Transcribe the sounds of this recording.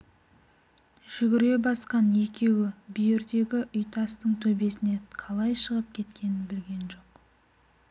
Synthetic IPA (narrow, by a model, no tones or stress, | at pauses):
ʒ̥ʏɡʲɪɾe̞bɑsqɑne̞kʲe̞wɪbʏjɪɾd̪e̞ɡʲɪʔʏjt̪ʰɑst̪əɴt̪ʰɵbe̞sɪne̞qʰɑlˠɑjʃəʁəp̚kʲʰe̞t̪kʲʰe̞nɪnbɪlɡʲe̞nʒo̞q